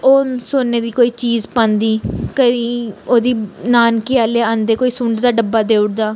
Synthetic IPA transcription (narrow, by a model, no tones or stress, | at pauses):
oːsoːnːeːd̪iːkoːiːt͡ʃiːzpə̃ːnd̪iːkəiːoːd̪iːnaːnkɪjaːleːãːnd̪eːkoːiːsʊ̃ɳɖd̪aːɖəbːaːd̪eːʊɽd̪aː